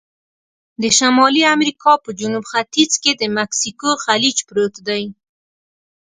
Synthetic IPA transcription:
d̪əʃamɑliamɾikɑpəd͡ʒunubxat̪izked̪əmaksikoxalid͡ʒpɾot̪d̪aj

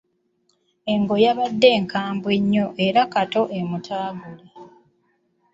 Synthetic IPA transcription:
e̞ŋɡo̞jaβadːe̞ːŋkʰaːmbwe̞ɲːo̞ʔe̞ɾakato̞ʔe̞mutʰaːɡule

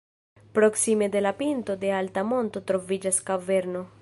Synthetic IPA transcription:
pɾoksime̞d̪e̞lapint̪o̞d̪e̞alt̪amo̞nt̪o̞t̪ɾo̞vid͡ʒaskaveɾno̞

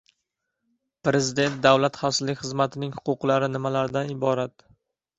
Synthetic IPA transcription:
pɾe̞zɪd̪e̞nt̪̚d̪awlat̪χɒsɪzlːɪkʲχɨzmat̪ʰɪnɪŋhʊ̥qʊqlaɾɪnɪmalaɾd̪anɪbɒɾat̪

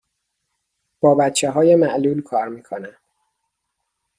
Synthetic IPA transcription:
b̥ɒːbæt̪t͡ʃʰːeɦɒːjemæʔluːlkʰɒːɾmiːkʰonænd̪̥

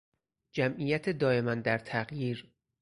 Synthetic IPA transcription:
d͡ʒæmʔijæt̪ʰed̪ɒːje̞mænd̪æɾt̪ʰæɣjiːɾ

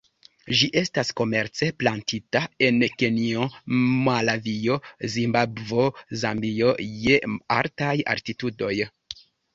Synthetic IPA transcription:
ʒiʔe̞stasko̞me̞ɾt͡se̞plantʰitae̞nke̞niomalavio̞zimbabvozambijoje̞a̰ɾtaja̰ɾtitudo̞j

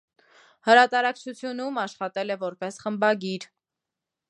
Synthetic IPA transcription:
həɾɑt̪ɑɾɑkt͡ʃʰut͡sʰjunumɑʃχɑt̪ɛlɛvɔɾpɛsχəmbɑɡiɾ

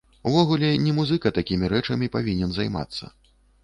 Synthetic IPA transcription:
vɔɣulʲɛnʲɛmuzɨkɐt̪akʲimʲiɾɛt͡ʂɐmʲipavʲinʲɛnzajma̰t̪sːɐ̰

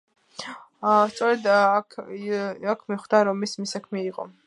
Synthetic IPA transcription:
st̪sʼɔɾɛd̪ | akʰmiχd̪aɾɔmismisakʰmiiqʼɔ̰

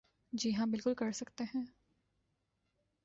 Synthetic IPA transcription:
d͡ʒiɦãbɪlkʊlkɐɾsɐkt̪eɦɛ̃ː

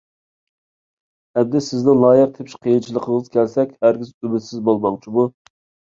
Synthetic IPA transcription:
ɛbd̪ɪsɪznɪŋlˠɑːjəq̚t̪ʰepʲʃqʰəjint͡ʃʰilˠəqʰəŋəzkʲʰælsɛkʲhæɾɡʲizybɪt̪sɪzbolˠmɑŋt͡ʃʰibu

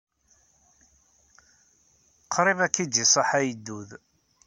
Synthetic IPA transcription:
qʰɾˤɪmækːid͡ʒisˤɑħæjd̪ːuð

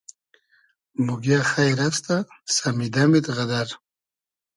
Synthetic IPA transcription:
muɡjaxajɾast̪a | samid̪amid̪ɣad̪aɾ

